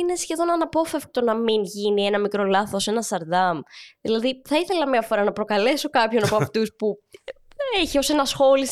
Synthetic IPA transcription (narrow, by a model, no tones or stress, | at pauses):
ine̞sçe̞ðo̞nɐnɐpo̞fefk̚t̪o̞nɐminʝinie̞nɐmikɾo̞lɐθose̞nɐst̪ɐɾd̪ɐmðilɐðiθɐiθe̞lɐmɲɐfo̞ɾɐnɐpɾo̞kɐle̞so̞kɐpço̞nɐpoɐft̪uspu | eçio̞se̞nɐsxo̞lis